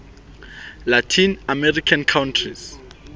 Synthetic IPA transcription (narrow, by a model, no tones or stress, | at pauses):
latʰinamɛrikʰankʰawntʰris